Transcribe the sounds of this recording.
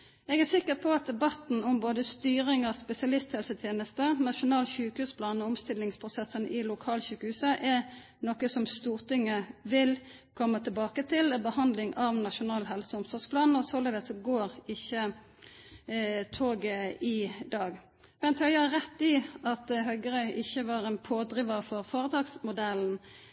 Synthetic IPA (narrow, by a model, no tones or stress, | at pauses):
ɛɡæsɪkːəpʰɔɑt̪̚d̪ɛbɑt̪n̩ɔmboːd̪əst̪yːʁɪŋɑspɛsɪɑlɪst̪hɛlsət̪ʰjeːnəst̪ənɑʃʊnɑːlçʉːkəhʉːspʰlɑːnɔʊmst̪ɪlːɪŋspʰʁʊsɛsənʔɪlʊkʰɑːlçʉːkəhʉːsəʔɛ | nɔkəsɔmst̪uːʁt̪ɪŋːəʋɪlkʰɔmːət̪ʰəbɑːkət̪ʰɪlbəhɑnd̪lɪŋɑʋnɑʃʊnɑːlɦɛlsəʊmsɔʁspʰlɑːnɔsɔleːd̪əsɔɡoːɾɪçːə | t̪ʰoːɡəɪd̪ɑːɡ | ʋɛnt̪ʰhœʏəhɑɾɛt̪ːɪɑt̪ɦœʏɡəɾœʏʔɪçːəʋɑːʁɛnpʰoːd̪ɾɪʋəfɔʁfoːʁət̪ʰɑːɡsmʊd̪ɛln̩